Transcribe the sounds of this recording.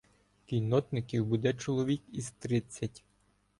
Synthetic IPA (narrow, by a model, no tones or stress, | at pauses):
kʲijnɔt̪nɪkʲiwbud̪ɛt͡ʃɔlˠɔʋʲikiz̥t̪ɾɪt͡sʲːɐtʲ